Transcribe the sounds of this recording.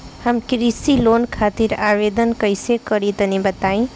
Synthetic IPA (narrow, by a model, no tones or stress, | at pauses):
həmkɾisilonkʰat̪iɾawed̪ənkəjsekəɾit̪ənibət̪aĩ